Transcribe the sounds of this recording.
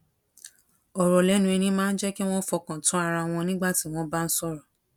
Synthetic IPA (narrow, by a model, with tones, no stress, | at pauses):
ɔ˨ɾɔ˨lɛ˨˦nũ˧˦ɛ˧nĩ˧˦mãː˦n̩˦d͡ʒɛ˦ki˦w̃ɔ̃˦fɔ˧kã˨tũ˨˦a˧ɾa˧w̃ɔ̃˧nĩ˦ɡ͡ba˦˨ti˨˦w̃ɔ̃˦ba˦n̩˦sɔ˦ɾɔ˨